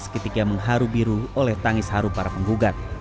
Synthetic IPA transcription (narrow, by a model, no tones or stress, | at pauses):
skət̪ikaməŋɦaɾubiɾuolɛht̪aŋɪshaɾupaɾapəŋɡuɡat̪̚